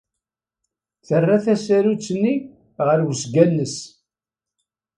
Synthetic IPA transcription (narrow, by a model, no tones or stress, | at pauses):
θərːaθæsæɾut͡sːnːi | ʁəɾwsɡænːəs